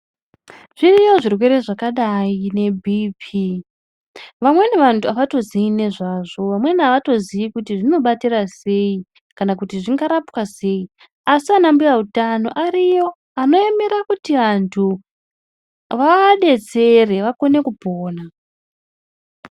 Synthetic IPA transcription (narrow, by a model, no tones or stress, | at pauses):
ʐ̥irijo̞ʐirwe̞ɾe̞ʐakaɗaine̞bʱipʰi | ʋamweneʋantʰuaʋato̞ziine̞ʐaʐo̞ʋamwe̞naʋato̞ziikutiʐino̞ɓatirase̞i | kanakutiʐiŋɡaɾapwase̞i | asianambujautano̞̰ʔarijo̞ | ano̞emiɾakutiʋantʰu | ʋaɗe̞t͡se̞re̞ʋako̞ne̞kupoːna